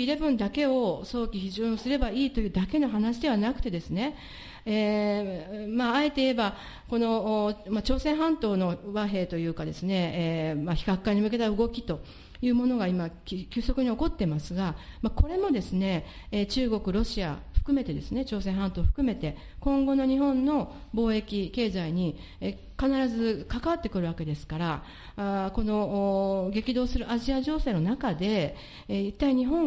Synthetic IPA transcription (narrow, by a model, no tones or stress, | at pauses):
iɾebɯ̟̃nd̪ake̞oso̞ːkʲiçiʑõːsɨɾe̞baiːt̪o̞jɯ̟ːd̪ake̞no̞ɦanaɕid̪e̞β̞anakɯ̟̥t̪e̞d̪e̞sɨne̞ | eː | maːe̞t̪eie̞ba | ko̞no̞mat͡ɕo̞ːsẽ̞ɰ̃ɦãnt̪o̞ːno̞βaɦe̞ːt̪o̞jɯ̟ːkad̪e̞sɨne̞maçi̥kakːaɲ̟imɯ̟ke̞t̪aɯ̟ɡo̞kʲi̥t̪o̞ | jɯ̟ːmo̞no̞ɡaimakʲɨːso̞kɯ̟ɲ̟io̞ko̞t̪ːe̞masɨɡamako̞ɾe̞mo̞d̪e̞sɨne̞ː | t͡ɕɨːɡo̞kɯ̟ɾo̞ɕia̰ɸɯ̟̥kɯ̟me̞t̪e̞d̪e̞sɨne̞t͡ɕo̞ːsẽ̞ɦãnt̪o̞ːɸɯ̥kɯ̟me̞t̪e̞ | kõ̞ŋɡo̞no̞ɲ̟iɦõ̞nːo̞bo̞ːe̞kʲike̞ːzaiɲ̟i | e | kanaɾazɨkakaβat̪ːe̞kɯɾɯ̟βake̞d̪e̞sɨ̥kaɾa | ko̞no̞ɡe̞kʲid̪o̞ːsɨɾɯ̟aʑiaʑo̞ːse̞ːno̞nakad̪e̞ | it̪ːaiɲ̟iɦõ̞